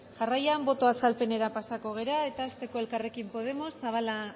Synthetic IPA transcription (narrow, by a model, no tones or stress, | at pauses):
ʝarajambo̞t̪o̞asalpe̞ne̞ɾapasako̞ɣ̞e̞ɾae̞t̪aːst̪e̞ko̞e̞lkare̞kimpo̞ð̞e̞mo̞sːaβala